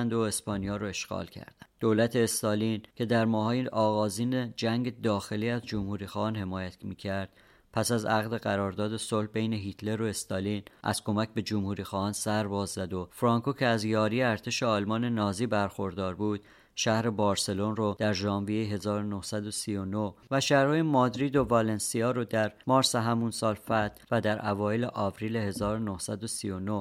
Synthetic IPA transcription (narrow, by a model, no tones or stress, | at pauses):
nd̪oe̞spɒːnijɒːɾoe̞ʃɡɒ̰ːlcʰæ̰ɾd̪̥æd̪̥olæt̪ʰe̞ːst̪ɒːlincʰe̞d̪æɾmɒːɦɒːjeɒːɣɒːziːned͡ʒæŋɟe̞d̪ɒːxe̞liːæzd͡ʒomhuːɾiːxɒːhɒːnhe̞mɒːjæt̪miːcʰæɾd̪̥ | pʰæsæzæɣd̪e̞ɣæɾɒːɾd̪ɒːd̪e̞solhbe̞jne̞ɦiːt̪ʰle̞ɾo̞est̪ɒːliːnʔæ̰z̥ko̞mæcʰbe̞d͡ʒomhuːɾiːxɒːɒːnsæɾbɒːzːæd̪o̞fɾɒːŋkʰocʰeæzjɒːɾijeæɾt̪ʰe̞ʃeɒːlmɒːne̞nɒːziːbæɾxo̞ɾd̪ɒːɾbuːd̪̥̚ | ʃæhɾe̞bɒːɾse̞lo̞nrod̪̥æɾʒɒːmvijejeɦe̞zɒːɾonohsæd̪o̞sijo̞nohvæʃæhɾhɒːjemɒːd̪ɾiːd̪o̞vɒle̞nsiɒːɾod̪æɾmɒːɾseɦæmunsɒːlfæt̪væd̪æɾʔævɒːjeleʔɒːvɾiːlehe̞zɒːɾonohsæd̪o̞sijo̞no